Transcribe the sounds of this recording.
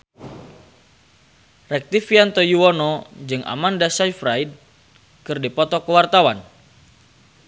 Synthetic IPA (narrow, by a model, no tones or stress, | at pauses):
rɛk̚t̪ifiant̪ɔjuɔnɔd͡ʒɨŋʔa̰mandasajfɾaid̚ | kɨrdipɔt̪ɔkəwart̪awan